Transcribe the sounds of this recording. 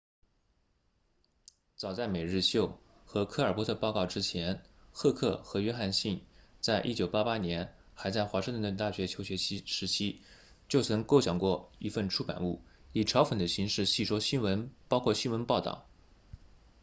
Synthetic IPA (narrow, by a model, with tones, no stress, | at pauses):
t͡sɑ˨˩ʊt͡sa˥˩ɪme˨˩ɪɻɻ̩˥˧ɕjo˥˩ʊ | xɤ˧˥kʰɤ˥ə˞˨˩pwɔ˧˥ə˧pɑ˥˧ʊkɑ˥˩ʊʈ͡ʂɻ̩˥t͡ɕʰjɛ˧˥nxɤ˥˧kʰɤ˥˩xɤ˧˥ɥɛ˥xa˥˧nɕi˥˩nt͡sa˥˧ɪʔi˥t͡ɕjo˨˩ʊpa˥pa˥njɛ˧˥n | xa˧˥ɪt͡sa˥˩ɪxwa˧˥ʂɻŋt̪ə˥n˧˩t̪a˥˩ɕɥɛ˧˥t͡ɕʰo˧˥ʊɕɥɛ˧˥t͡ɕʰi˥ʂɻ̩˧˥t͡ɕʰi˥ | t͡ɕjo˥˩ʊt͡sʰɤ˧˥ŋko˥˩ʊɕjɑ˨˩ŋkwɔ˥˩i˧˥fə˥˩nʈ͡ʂʰu˥˩pa̰˨˩nu˥˩i˨˩ʈ͡ʂʰɑ˧˥ʊfə˨˩nd̪ə˦ɕi˧˥ŋʂɻ̩˥˧ɕi˥˩ʂwɔ˥ɕi˥nwə˧˥npɑ˥ʊkʰwɔ˥˩ɕi˥nwə˧˥npɑ˥˧ʊt̪ɑ̰˨˩˦ʊ